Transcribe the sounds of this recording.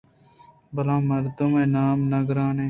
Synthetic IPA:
bɐlãːmɐɾd̪umeːnaːmnɐɡɾaːnẽː

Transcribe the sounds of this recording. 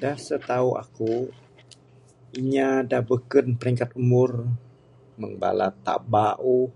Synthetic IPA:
dahsət̪aua̰ku | iɲadabəkənpəɾiŋkat̪umʊr | məŋba̰la̰t̪a̰baʔu

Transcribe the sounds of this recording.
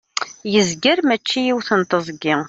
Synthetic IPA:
jəzɡəɾmæt͡ʃːijiwθənt̪əzˤɡi

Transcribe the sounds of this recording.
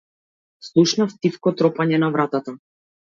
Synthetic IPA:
slˠuʃnaft̪ifkɔt̪ɾɔpaɲɛnavɾat̪at̪a

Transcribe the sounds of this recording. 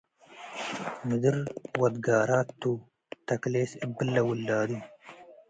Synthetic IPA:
mid̪iɾwɐd̪ɡaːɾaːt̪ːu | t̪ɐkleːsibəlːɐwulːaːd̪i

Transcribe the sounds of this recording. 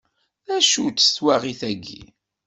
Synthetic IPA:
æʃut͡sːə̥θwaʁiθæɡːḭ

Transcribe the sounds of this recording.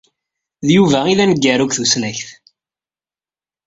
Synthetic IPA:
ðjuvæiðænəɡːæɾukθusnæçθ

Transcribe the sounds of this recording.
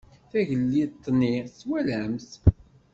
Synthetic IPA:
θæʝəlːit̪ˤːniswælæms

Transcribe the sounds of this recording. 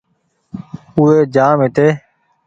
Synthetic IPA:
ueːd͡ʒaːmeːt̪eː

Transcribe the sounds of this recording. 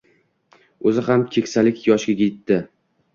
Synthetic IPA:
ɵzɪɦamkʲʰe̞kʲsalɪkʲjɒʃɡʲaɡʲet̪ːɪ

